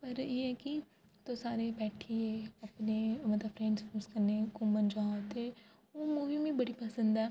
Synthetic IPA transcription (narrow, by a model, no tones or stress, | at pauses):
pəɾjeːɛːki | t̪osaːɾebɛːʈʰieɐpnemət̪ləbfʰɾɛ̃ːɳɖsfuːskəɾnekomənd͡ʒaːt̪e | oːmuːʋimẽbɐɽipəsə̃nd̪ɛː